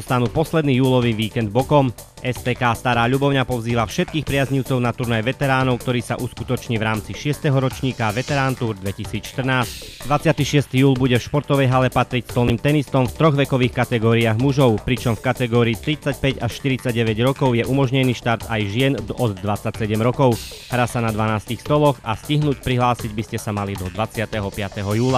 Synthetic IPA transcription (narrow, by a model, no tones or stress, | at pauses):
ɔst̪anuːpɔslɛd̪niːjuːlɔʋiːʋiːkɛnd̪̚bɔkɔm | ʔɛspɛːkaːst̪aɾaːʎubɔʊɲapɔziːʋafʃɛt̪̚kiːxpɾɪazɲiʊt͡sɔʊnat̪uɾnajɛʋɛt̪ɛɾaːnɔʊk̚t̪ɔɾiːsa̰ʔuskut̪ɔt͡ʃɲiːʋɾaːmt͡siʃɪɛst̪ɛɦɔɾɔt͡ʃɲiːkaʋɛt̪ɛɾaːnt̪uɾd̪ʋɛcisiːt͡sʃt̪rnaːscd̪ʋat͡sɪat̪iːʃɪɛst̪iːjuːlbuɟɛfʃpɔɾt̪ɔʋɛjɦalɛpat̪ɾicst̪ɔlniːmt̪ɛnist̪ɔmft̪ɾɔɣʋɛkɔʋiːxkat̪ɛɡɔːɾiaɣmuʒɔʊpɾit͡ʃɔmfkat̪ɛɡɔːɾiːt̪ɾit͡sac̚pɛɟaʃt̪iɾit͡saɟɟɛʋɛɟɾɔkɔʊjɛʔumɔʒɲɛniːʃt̪aɾt̪ajʒɪɛnɔd̪ːʋat͡sːacsɛɟɛmɾɔkɔʊɦɾasanad̪ʋanaːsc̪ixst̪ɔlɔxasciɦnuːcpɾiɦlaːsiɟbiscɛsamalid̪ɔd̪ʋat͡sɪat̪ɛɦɔpɪat̪ɛɦɔjuːla